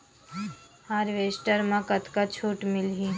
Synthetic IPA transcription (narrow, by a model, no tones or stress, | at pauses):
haːɾʋeːsʈəɾmãkət̪kat͡ʃʰuːʈmɪlɦĩ